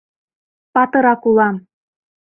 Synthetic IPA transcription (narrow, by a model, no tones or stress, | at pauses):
pɑt̪ɤ̆ɾɑkulɑm